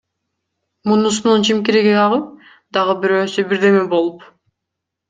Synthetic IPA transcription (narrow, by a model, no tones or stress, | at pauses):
munusununt͡ʃʰimkiɾiɡiɑʁɯp̚ | d̪ɑʁɯbyɾøːsybiɾd̪e̞mebo̞lˠup